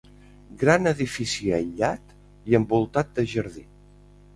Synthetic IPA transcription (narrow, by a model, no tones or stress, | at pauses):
ɡɾanəðifisiəʎat̪ | iəmbulˠt̪at̪̚d̪əʒəɾði